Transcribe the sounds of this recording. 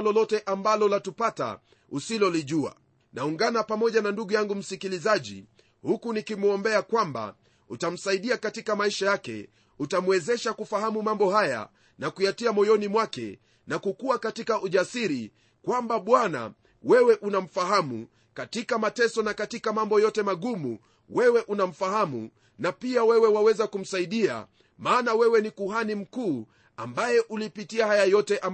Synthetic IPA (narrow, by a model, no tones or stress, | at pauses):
lɔlɔtɛʔambalɔlatupata̰ | usilɔliʄua̰ | nauŋɡanapamɔʄananduɠujaŋɡum̩sikilizaʄḭ | hukunikimuɔmbɛakwamba̰ | utam̩saiɗiakatikamaiʃajakɛ̰ | utamwɛzɛʃakufahamumambɔhaja̰ | nakujatiamɔjɔnimwakɛ̰ | nakukuakatikaʔuʄasiɾi | kwambaɓwana̰ | wɛwɛʔunam̩faɦamṵ | katikamatɛsɔnakatikamambɔjɔtɛmaɠumṵ | wɛwɛʔunam̩fahamṵ | napiawɛwɛwawɛzakum̩saiɗia̰ | maːnawɛwɛnikuɦanim̩kuː | a̰mbajɛʔulipitiahajajɔtɛʔam